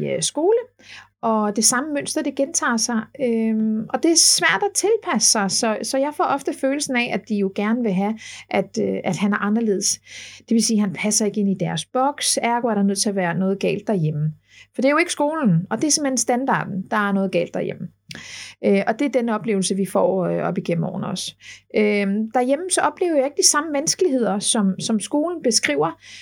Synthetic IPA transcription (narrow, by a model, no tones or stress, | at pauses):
sɡ̥o̝ːlə | ʔɒ̽d̥e̝sɑ̈məmøn̰sd̥ɐd̥e̝ɡ̥ent͡sʰɑ̰̈ːsɑ̈ɪøɒ̽d̥e̝æɐsʋæɐ̰d̥æt͡sʰe̝lpʰæsə̥sɑ̈ɪsɒ̽sɒ̽jɑ̈ɪfɒ̰ːɒ̽fd̥əføːl̩sn̩ɛʔæd̥ijo̝ɡ̥æɐnəʋe̝ɦæʔæd̥øʔæd̥hænæɐʔɑ̈nɐle̝̰ð̞̰ˠsd̥e̝ʋe̝siːɦænpʰæsɐe̝ɡ̥əe̝n̰id̥æɐsb̥ɒ̽ɡ̥sæɐɡ̥oæɐɾɐnøð̰ˠt͡sʰe̝ɐʋæːɐnɔ̽ːð̩ˠɡ̥ɛ̰ːld̥ːæjem̰ə | fɒ̽d̥eæɐjo̝e̝ɡ̥əsɡ̥o̝ːln̩ɒ̽d̥eæɐse̝mhenensd̥ænd̥ɑ̰̈ːd̥n̩d̥ɑ̈æɐnɔ̽ːðˠɡ̥ɛ̰ːld̥ːɑɐjem̰ə | ʔøʔɒ̽d̥e̝æɐdenəɒ̽b̥le̝̰ːʊl̩səʋifɒ̰ːøʔɒ̽b̥iɡ̥em̰m̩ɒ̰ʊɐnɒsʔød̥æɐjem̰m̩sɒ̽ʔɒ̽b̥le̝̰ːʊɐjɑ̈e̝ɡ̥əd̥isɑ̈məʋænsɡ̥əliɦe̝ð̞̰ˠɐsɒ̽msɒ̽msɡ̥o̝ːln̩b̥e̝sɡ̥ʁḭʊ̰ɐ